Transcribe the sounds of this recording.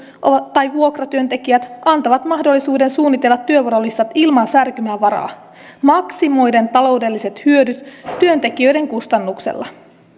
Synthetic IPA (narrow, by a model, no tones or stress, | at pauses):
ʔot̪ɑjʋuo̞krɑt̪yø̞nt̪e̞kiæt̪ɑnt̪oʋɑt̪mɑhdo̞lːisuːde̞nsuːnːit̪e̞lːɑt̪ːyøʋoɾolist̪ɑt̪ilmɑnsærkymæːʋɑɾɑ̰ː | mɑksimo̞jde̞nt̪ɑlo̞wde̞lːise̞t̪hyødyt̪ːyønt̪e̞kiø̞jde̞ŋkust̪ɑnːuksḛlːɑ